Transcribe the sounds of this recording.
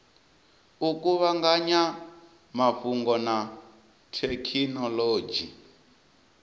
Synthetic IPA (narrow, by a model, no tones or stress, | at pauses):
ukʼuβaŋɡaɲa | maɸuŋɡɔna | tʰɛkʰinɔloːd͡ʒi